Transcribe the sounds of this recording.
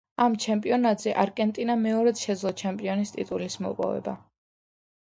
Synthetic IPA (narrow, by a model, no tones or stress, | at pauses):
amt͡ʃʰɛmpʼiɔnat̪ʼz̥ɛʔaɾkʼɛnt̪ʼinamɛɔɾɛt̪ʃɛd̪zlˠɔt͡ʃʰɛmpʼiɔnist̪ʼḭt̪ʼulismɔ̰pʼɔ̰vɛ̰ba̰